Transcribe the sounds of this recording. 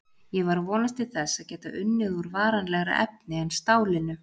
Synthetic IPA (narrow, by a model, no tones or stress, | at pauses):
jɛvaɾvɔːnast̪ɪθɛsːaðcɛːt̪aʔʏnːɪðuɾvaːɾanlɛɣɾa̰ʔɛ̰p̚nɪɛnst̪aːwlɪnʏ